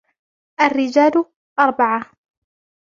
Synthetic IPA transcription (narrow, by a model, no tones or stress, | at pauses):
ʔarːɪd͡ʒaːlʊ | ʔɑɾˤbaʕa